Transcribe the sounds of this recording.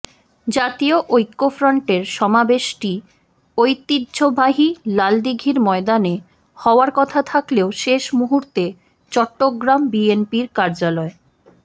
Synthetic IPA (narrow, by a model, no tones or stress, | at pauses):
d͡ʑat̪ioʔojkːofɾoɳʈeɾʃɔmabeʃʈi | ojt̪idd͡ʑobʱaɦilald̪iɡʱiɾmɔed̪ane | hɔoaɾkɔt̪ʰat̪ʰakleoʃeʃmuɦuɾt̪e | t͡ɕɔʈːoɡɾambienpiɾkaɾd͡ʑalɔe